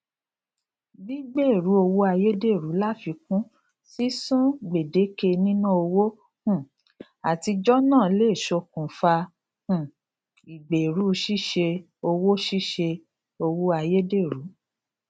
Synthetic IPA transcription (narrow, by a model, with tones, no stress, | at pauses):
bi˦ɡ͡be˦˨ɾu˨˦o˧wo˦a˧je˦de˦˨ɾu˨˦la˦fi˧kũ˦ | si˦sũ˦ɡ͡be˨de˨˦ke˦˧nĩ˦nũ˦o˧wo˦ | hũ˦˨ | a˨ti˧d͡ʒɔ˦nãː˦˨le˦˨ʃo˧kũ˨fa˧ | hũ˨ | i˨ɡ͡be˨ɾu˨˦ʃi˦ʃe˧ | o˧wo˦ʃi˦ʃe˧ | o˧wo˦a˧je˦de˦˨ɾu˨˦